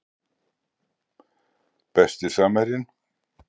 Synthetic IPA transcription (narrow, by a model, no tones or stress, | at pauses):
pɛst̪ɪ̥saːmaɾɪn